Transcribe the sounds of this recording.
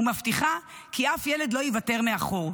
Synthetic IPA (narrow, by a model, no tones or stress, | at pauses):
umaftiχakʰiafjeledlo̞jivate̞ʁmeaχuʁ